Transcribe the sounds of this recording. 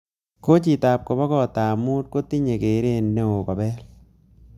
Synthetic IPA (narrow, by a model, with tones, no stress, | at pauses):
ko˦t͡ʃi˨ta˨p̚ko˨bɔ˦kɔ˦˨t̪a˨mu˦t̚ko˦t̪i˦ɲe˨ke˨˦ɾe˦nːe˦o˨kɔ˨bɛ˦l